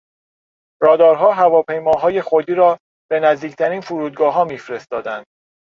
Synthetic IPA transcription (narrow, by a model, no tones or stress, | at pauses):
ɾɒːd̪ɒːɾɦɒːɦævɒːpʰe̞jmɒːɦɒːje̞xod̪iːɾɒː | b̥e̞næzd̪iːcʰt̪ʰæɾiːnfuɾuːd̪̚ɡɒːɦɒːmiːfɾe̞st̪ɒːd̪ænd̪̥̚